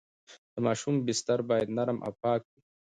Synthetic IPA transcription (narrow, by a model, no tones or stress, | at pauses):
d̪̥əmaːʃumbɪst̪aɾbaːjɐd̪naɾmʔa̰pɑːk̚wi